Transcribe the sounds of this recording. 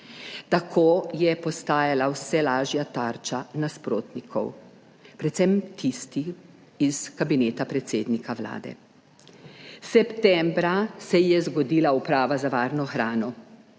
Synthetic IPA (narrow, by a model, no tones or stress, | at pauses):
t̪akʰoːjɛpɔst̪aːjalawsɛlaːʒjat̪aːɾt͡ʃanaspɾoːt̪nikʰɔ̰w | pɾɛt̪sɛmt̪ʰist̪i | iskabineːt̪apɾɛt̪seːd̪nikaʋla̰ːd̪ɛ̰ | sɛpt̪ɛmbɾasɛjɛzɡɔd̪iːlaupɾaːʋazaʋaːɾnɔxɾaːnɔ